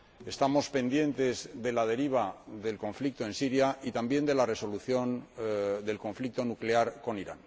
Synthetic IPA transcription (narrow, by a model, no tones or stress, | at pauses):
e̞st̪amo̞spe̞nd̪je̞nt̪e̞zðe̞laðe̞ɾiβ̞aðe̞lko̞ɱflik̚t̪o̞e̞nsiɾjait̪ambje̞nd̪e̞lare̞so̞luθjo̞nd̪e̞lko̞ɱflik̚t̪o̞nukleaɾko̞niɾan